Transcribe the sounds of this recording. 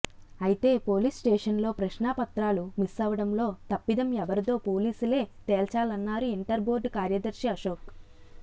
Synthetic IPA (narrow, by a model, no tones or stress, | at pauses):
ɐjit̪e̞ːpo̞ːliːsʈɛːʂɐnlo̞ːpɾɐʃnaːpɐt̪ɾaːlumisɐːʋɐɽɐmlo̞ːt̪ɐpːid̪ɐmɛʋɐɾut̪o̞ːpo̞ːliːsule̞ːt̪eːlt͡ʃaːlɐnːaːɾuiɳʈɐɾbo̞ːɾɖkaːɾjɐd̪ɐɾʃiɐʃoːk